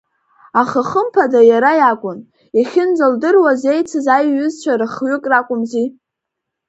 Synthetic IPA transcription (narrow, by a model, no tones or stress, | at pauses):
aχəχəmpʰadajaɾajakʷʼʊn | iχʲɪnd͡zaldɨrwaze̞jt͡sʰɨzajɥːʏzt͡ʃʷʰarɨχɥʏkʼrakʷʼʊmzi